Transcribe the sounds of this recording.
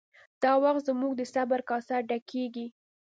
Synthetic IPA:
d̪̥ɑwaxt̪zəmuɡ̚d̪əsabaɾkɑsaɖakʰeɡi

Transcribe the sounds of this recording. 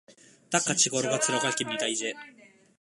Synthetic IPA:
d̪̥akːat͡ɕiɡoɾoɡat͡sɨɾaɡakʲimʲid̪aize

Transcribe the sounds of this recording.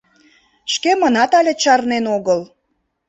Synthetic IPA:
ʃkemənɑt̪ɑlʲet͡ɕɑrnenoɣəl

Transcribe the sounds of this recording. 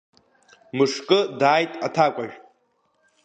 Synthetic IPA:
mɨʂkʼɨdaːjtʼatʰakʷʼaʒᶣ

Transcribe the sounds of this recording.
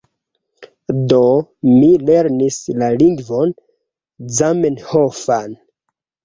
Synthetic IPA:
do̞mile̞ɾnislaliŋɡvo̞n | zamenhofan

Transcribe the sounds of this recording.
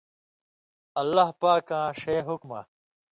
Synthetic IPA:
ɐlːahpaːkãːʂeːɦukma̰

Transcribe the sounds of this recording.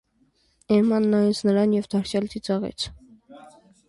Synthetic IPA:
ɛmɑnːɑjɛt͡sʰnəɾɑnjɛvd̪ɑɾsʰjɑlt̪ʰit͡sɑʁɛ̰t͡sʰ

